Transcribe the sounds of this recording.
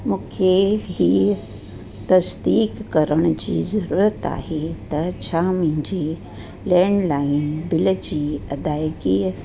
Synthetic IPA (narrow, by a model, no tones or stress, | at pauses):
mũːkʰeɦiː | t̪ɐsd̪iːkːɐɾəɽ̃ʊd͡ʑḭːzɐɾuːɾət̪a̰ːɦet̪ɐt͡ɕʰaːmĩd͡ʑiː | lɛ̃ːɳɖlaːɪnbɪld͡ʑiːɐd̪aːjkiː